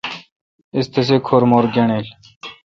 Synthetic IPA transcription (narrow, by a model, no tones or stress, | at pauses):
ist̪ʰes̬ekʰoːɾmoːɾɡʲɐɳeːlʲ